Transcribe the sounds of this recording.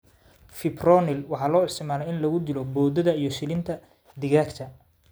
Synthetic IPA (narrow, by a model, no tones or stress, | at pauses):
fɪbrɔnɪlwɑħɑːlɔːɪst̪ʰɪmaːlɛjɪnlɐɣʊd̪ɪlɔbɔːd̪ɐðɐijɞʃɪlɪnt̪ʰɐ | d̪ɪɣaːkt̪ʰɐ